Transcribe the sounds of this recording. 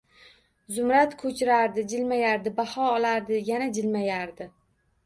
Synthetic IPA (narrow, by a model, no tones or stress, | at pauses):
zʊmɾat̪kʰɵt͡ʃʰɪɾaɾd̪ɪd͡ʒɪlmajaɾd̪ɪbahɒːlaɾd̪ɪjanad͡ʒɪlmajaɾd̪ɪ